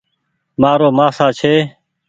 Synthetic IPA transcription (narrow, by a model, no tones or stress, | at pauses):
maːɾoːmaːsaːt͡ʃʰeː